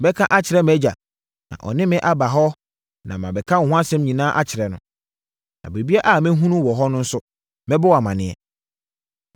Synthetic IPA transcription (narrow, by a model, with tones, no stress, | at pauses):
bɛ˦kʰã˦ʔa˦t͡ɕʰɪ˨ɾɛ˦mɛ˦d͡ʑa˨ | nã̰˨ʔɔ̰˨nɪ̃˦mɪ̃˦ʔa˦ba˨ɦɔ˦ | nã̰˨mã˨bɛ˨kʰã˦ŋ̩˨hʊ̃˦a˦sɛ̃˦mɲĩ˨nãː˦ʔa˦t͡ɕʰɪ˨ɾɛ˨nʊ̃˨ | nã̰˨be˨bi˦a˦ʔa˦˨mɛ̃˦ɦũ˦nũ˦wɔ˨ɦɔ˦nʊ̃˦n̩˦sʊ˦ | mɛ̃˦bɔ˦wa˨mã˨nɪ̃˦ɛ˦